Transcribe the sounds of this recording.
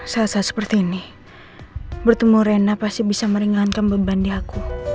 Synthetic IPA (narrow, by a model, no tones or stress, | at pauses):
salasasə̥pərt̪iːni | bərt̪əmuɾenapast̪ibisaməɾiŋaɦankanbəbandiaku